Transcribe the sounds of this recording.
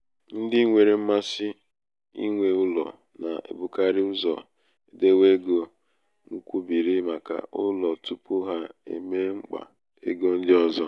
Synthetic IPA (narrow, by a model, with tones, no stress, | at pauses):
n̩˦dɪ˦ŋʷe˨ɾe˨m̩˦ma˦sɪ˦ | ḭ˦ŋʷe˨ʊ˦lɔ̰˨ | na̰˨ʔḛ˨bʊ˨ka˦ɾɪ˦ʊ˦zɔ̰˨ | e˨de˦we˦ɡo˨ | ŋ̩˦kʷu˦bi˨ɾi˦ma˨ka̰˨ʔʊ˦lɔ˨tu˦pʊ˦ɦa˦ḛ˨me˦ŋ͡m̩˦k͡pa̰˨ | ḛ˦ɡo˦n̩˦dɪ˦ɔ˦zɔ˦